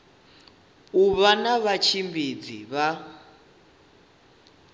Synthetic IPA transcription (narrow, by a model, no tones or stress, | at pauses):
uβanaβat͡ʃʰimbid͡zḭβa